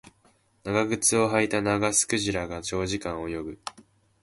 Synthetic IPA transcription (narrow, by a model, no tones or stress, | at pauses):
naɡaɡɯ̟t͡sɨo̞ɦait̪anaɡasɨ̥kɯ̟ʑiɾaɡat͡ɕo̞ːʑikãɰ̃o̞jo̞ɡɯ̟